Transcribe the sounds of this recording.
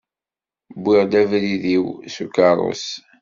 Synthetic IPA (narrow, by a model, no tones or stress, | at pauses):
bːiʁd̪ævɾiðiwsukɑɾˤo̰s